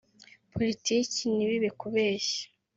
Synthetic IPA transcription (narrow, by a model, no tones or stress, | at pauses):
pʰolitiːciniβiβekuβeːʃḁ